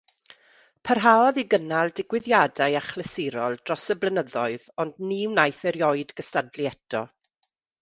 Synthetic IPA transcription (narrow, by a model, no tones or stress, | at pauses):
pʰərɦaːɔðiɡənalˠdɪɡwɪðjadajaχləsɪɾɔlˠd̥rɔsəblənəðɔɨðɔndniwnajθɛɾjɔɨdɡəstadliɛtʰɔ̰